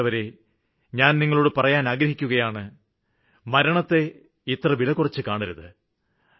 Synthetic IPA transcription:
ɐʋɐɾe | ɲaːnniŋːɐɭoːɽɨpɐrɐjaːnaːɡɾɐɦikʲːuɣɐjaːɳɨ | mɐɾɐɳɐt̪ːe̞ | it̪rɐʋilɐkːurɐt͡ɕːɨkaːɳiɾuðɨ̰

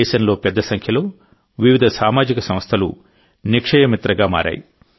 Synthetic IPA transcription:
ɛːʃɐnlo̞ːpɛd̪ːɐsɐŋkʰjɐlo̞ː | ʋiʋid̪ʱɐsaːmaːd͡ʒikɐsɐm̃st̪ʰɐlṵ | nikʂɐjɐmit̪ɾɐɡaːma̰ːɾa̰ːji

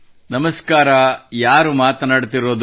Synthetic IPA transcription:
nɐmɐskaːɾɐjaːɾumaːt̪naːɽt̪iɾoːd̪

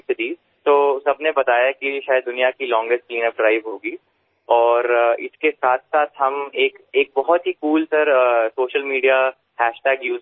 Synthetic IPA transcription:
sɪʈiːz | t̪oːsɐbnebɐt̪aːjakiʃaːjəd̪ːʊnijakilɔ̃ːŋɡɪstʈ̚kliːnəp̚ɖɾaːɪʋɦoːɡiː | ɔːɾɪ̰skesaːt̪ʰsaːt̪ʰɦɐmeːkeːk̚bɐɦɔt̪ɦikuːlsɐɾsoːʃəlmiːɖija | hɛːʃʈɛːɡjuː

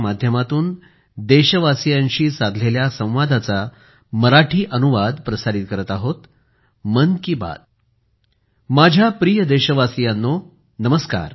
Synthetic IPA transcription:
mad̪ʱjəmat̪uːn | d̪eɕəʋasijaɲɕiːsad̪ʱleljasə̃w̃ʋad̪ʱat͡sa | məɾaʈʰiːʔənuʋad̪pɾəsaɾit̪̚kəɾət̪aɦot̪ | mənkiːba̰d̪̚ | mad͡ʑʱjapɾijəd̪eɕəʋasijanːo | nəməska̰ɾ

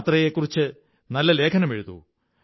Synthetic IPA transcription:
t̪rɐjekːurit͡ɕːɨ | nɐlːɐle̞ːkʰɐnɐmeɻuðṵ

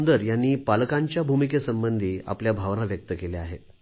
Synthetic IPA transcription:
nd̪əɾjanːiːpalkaɲt͡ɕjabʱumikesəmbənd̪ʱiːa̰pljabʱaʋnaʋjək̚t̪əkeleaɦe

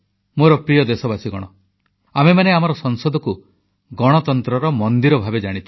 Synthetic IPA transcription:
moɾɔpɾijɔd̪esɔbasiɡɔɽ̃ɔ | amemaneamaɾɔsɔŋsɔd̪ʱɔku | ɡɔɽ̃ɔt̪ɔnt̪ɾɔɾɔmɔnd̪iɾɔbʱabed͡ʒaɽ̃it̪ʰi

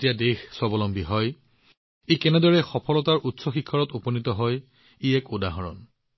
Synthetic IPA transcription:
tijadexsɔbɔlɔmbʱiɦɔj | ekɛnɛdɔɹɛxɔpʰɔlɔtaɹʔutsɔxikʰːɔɹɔtupɔnitɔɦɔj | iɛkudaɦɔɹɔ̰n

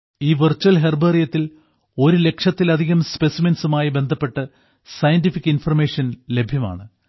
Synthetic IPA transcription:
iːʋɨrt͡ɕːuɐlɦerbɐrijɐt̪ːil | o̞ɾule̞kʂɐt̪ːilɐd̪ʱiɣɐmspe̞simɐnsumaːjibe̞nd̪ʱɐpːe̞ʈːɨ | sɐjɐndifikːinfɐrme̞ːʂɐnle̞bʱjɐma̰ːɳɨ

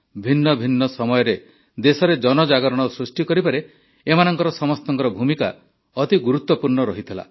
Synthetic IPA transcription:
bʱinːɔbʱinːɔsɔmɔjɔɾe | d̪esɔɾed͡ʒɔnɔd͡ʒaɡɔɾɔɽ̃ɔsɾusʈikɔɾipaɾe | emanɔŋkɔɾɔsɔmɔst̪ɔŋkɔɾɔbʱumika | ɔt̪iɡuɾut̪ːɔpuɾɳɔɾɔɦit̪ʰila̰

